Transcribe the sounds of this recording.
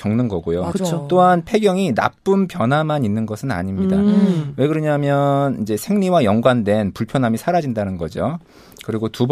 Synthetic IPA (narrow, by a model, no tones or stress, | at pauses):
ʌŋnɯnɡʌɡojoɯt͡ɕot͈oɦanpʰe̞ɡjʌŋina̰p͈ɯmpjʌnɦamaɲinːɯnɡʌsʰɯna̰ɲimɲidawe̞kɯɾʌɲaɦamjʌnid͡ʑe̞sʰe̞ŋɲiwajʌŋɡwandwe̞npuɭpʰjʌnɦamisʰaɾad͡ʑindanɯnɡʌ̰d͡ʑo | kɯɾiɡotub